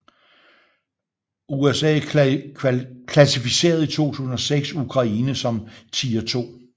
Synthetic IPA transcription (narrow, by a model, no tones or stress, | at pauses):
uesɛ̰ː | kʰlæsifise̝̰ːɐð̞̩ˠit͡sʰo̝̰ːt͡sʰṵːsn̩ɒ̽seɡ̥sukʰʁɑ̈iːnəsɒ̽mt͡sʰiːɐt͡sʰo̝̰ː